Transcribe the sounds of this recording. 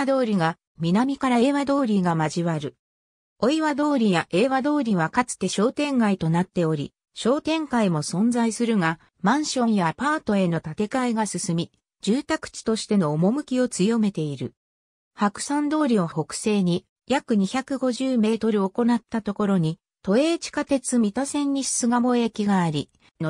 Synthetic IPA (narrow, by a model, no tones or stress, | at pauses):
d̪o̞ːɾʲiɡa | mʲinamʲikaɾae̞ːβad̪o̞ːɾʲiɡamaʑiβaɾɯ̟ | o̞iβad̪o̞ːɾʲijaʔe̞ːβad̪o̞ːɾʲiβ̞akat͡sɨ̥t̪e̞ɕo̞ːt̪ẽ̞ŋɡait̪o̞nat̪ːe̞o̞ɾʲḭ | ɕo̞ːt̪ẽ̞ŋkaimo̞sõ̞nd͡zaisɨɾɯ̟ɡa | mãɰ̃ɕõ̞ɰ̃japaːt̪o̞e̞no̞t̪at̪e̞kaiɡasɨsɨmʲi | d͡ʑɨːt̪akɯ̥t͡ɕi̥t̪o̞ɕi̥t̪e̞no̞ːmo̞mɯ̟kʲio̞t͡sɨjo̞me̞t̪e̞iɾɯ̟ | hakɯ̟̥sãnd̪o̞ːɾʲioho̞kɯ̟̥se̞ːɲ̟i | jakɯ̟ɲ̟içakɯ̟ɡo̞ʑɨːme̞ːt̪o̞ɾɯ̟o̞ko̞nat̪ːat̪o̞ko̞ɾo̞ɲ̟i | t̪o̞e̞ːt͡ɕi̥kat̪e̞t͡sɨmʲit̪osẽ̞ɲ̟ːissɨɡamo̞ekʲiɡaːɾʲi | no